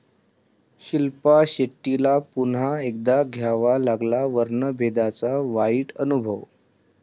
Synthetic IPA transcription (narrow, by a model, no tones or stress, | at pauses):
ɕilpaɕeʈːilapunaek̚d̪aɡʱjaʋalaɡlaʋəɾɳəbʱed̪at͡saʋaiːʈənubʱəʋ